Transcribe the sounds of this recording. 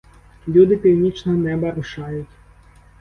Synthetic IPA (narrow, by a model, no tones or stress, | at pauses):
lʲud̪ɪpʲiwnʲit͡ʃnɔɦɔnɛbɐɾʊʃɑjʊtʲ